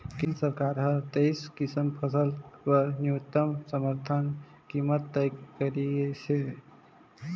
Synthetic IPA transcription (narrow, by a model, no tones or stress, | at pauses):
kinsəɾkaɾɦʌt̪ejskisəmpʰəsəlkəɾnuut̪ːəmsəməɾt̪ʰən | kimət̪ːəjɡkəɾit͡ʃʰe